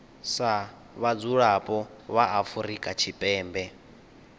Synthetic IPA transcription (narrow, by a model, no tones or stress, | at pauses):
sa | βad͡zuɺapʼɔ | βaʔafuɾikʼat͡ʃʰipʼɛːmbɛ